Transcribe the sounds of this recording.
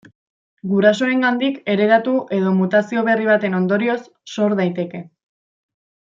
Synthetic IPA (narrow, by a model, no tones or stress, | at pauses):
ɡuɾaso̞e̞ŋɡand̪ike̞ɾe̞ɾat̪uʔe̞ð̞o̞mut̪asio̞β̞e̞riβ̞at̪e̞no̞nd̪o̞ɾio̞sːo̞ɾðajt̪e̞ke̞